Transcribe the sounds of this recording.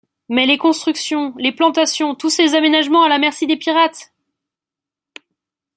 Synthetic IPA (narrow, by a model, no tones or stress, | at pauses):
mɛlekɔ̃st̪χyksjɔ̃leplɑ̃t̪asjɔ̃t̪usezamenaʒmɑ̃alamɛʁsid̪epiʁat̪